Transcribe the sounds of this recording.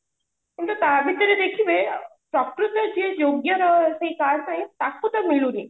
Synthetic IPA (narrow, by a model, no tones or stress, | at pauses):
int̪ət̪aʋʱit̪əɾed̪ekʰiʋepɾɔkʈɾut̪ːəd͡ʒejoɡjəɾəɦseikaɽnaɦĩt̪akut̪əmiɭuɾi